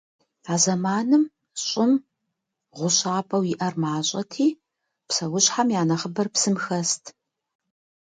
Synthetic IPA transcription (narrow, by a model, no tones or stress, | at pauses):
aːzɐmaːnɨm | ɕʼɪm | ʁʷʊɕaːpʼɐwɪʔɐrmaːɕʼɐtʰiː | psɐwʊɕħamjaːnɐχəbɐrpsɨmxɐstʰ